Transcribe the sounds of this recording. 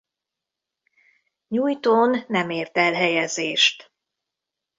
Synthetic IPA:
ɲuːjt̪oːnːɛmeːrt̪ɛlɦɛjɛzeːʃt̪

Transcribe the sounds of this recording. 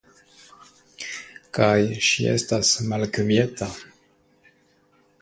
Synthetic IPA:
kajʃiʔe̞̰stasmalkmieta

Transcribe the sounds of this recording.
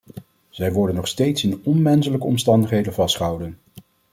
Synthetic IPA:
z̥ɛjʋɔɹdənːɔχstejtsɪnɔnmɛnsələkəɔmstɑndəχɦejdənvɑstχəɦʌwdən

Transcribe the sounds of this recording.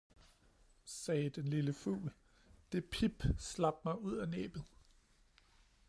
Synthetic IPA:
sɛːd̥enliləfṵːl | d̥e̝pʰib̥slɑ̈b̥mɑ̈ɪuð̞̰ˠænḛːb̥ð̩ˠ

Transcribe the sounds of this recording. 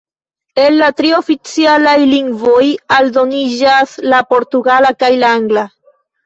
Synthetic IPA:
e̞nlatɾio̞fit͡sialajliŋɡvo̞jaldo̞nid͡ʒaslapo̞ɾtuɡalakajlaaŋɡla

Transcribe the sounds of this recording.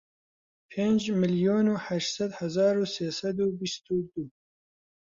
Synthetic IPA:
pʰeːnd͡ʒmɨljoːnuːhæʃt̪sɛd̪hɐzɑːɾuːseːsɐd̪uːbist̪uːd̪uː

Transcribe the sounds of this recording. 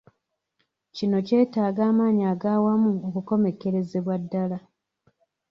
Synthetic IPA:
cino̞ce̞ːtaːɡaːmaːɲaːɡaːwamuokuko̞me̞ke̞ɾe̞ze̞βwadːala

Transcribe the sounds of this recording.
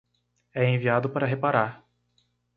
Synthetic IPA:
ɛẽviad̪ʊpaɾɐɦepaɾaɾ

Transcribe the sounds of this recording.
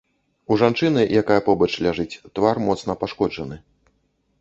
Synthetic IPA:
uʐant͡ʂɨnɨjakajɐpɔbɐt͡ʂlʲaʐɨt͡sʲt̪varmɔt̪sn̪ɐpaʂkɔd͡ʐɐnɨ

